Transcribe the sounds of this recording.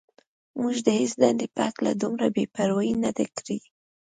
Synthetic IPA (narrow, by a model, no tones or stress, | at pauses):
muʒd̪əhesd̪and̪epɑkla̰d̪umɾabepaɾajinad̪akɽi